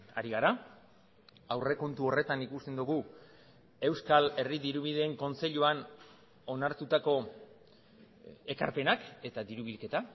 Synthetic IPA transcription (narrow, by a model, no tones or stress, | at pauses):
a̰ɾiɣaɾa | awre̞ko̞nt̪uo̞re̞t̪anikust̪e̞nd̪uɣ̞u | e̞wskale̞riðiɾuβ̞ið̞e̞ːŋko̞nt͡se̞ʎuan | o̞naɾt̪ut̪ako̞ | e̞ka̰ɾpe̞nake̞t̪aðiɾuβilke̞t̪a